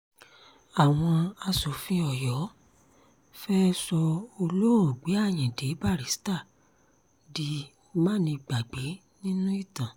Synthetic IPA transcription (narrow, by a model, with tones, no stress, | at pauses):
a˨w̃ɔ̃˧a˧so˨˦fĩ˧ɔ˨jɔ˨˦ | fɛ˦sɔ˧o˧lo˦o˨ɡ͡be˨˦a˦˨j̃ɛ̃˨de˨˦ba˦˨ɾi˨˦sta˦˨ | di˧˦ | mã˦˨nĩ˧ɡ͡ba˨ɡ͡be˨˦ | nĩ˦nũ˦i˦˨tã˨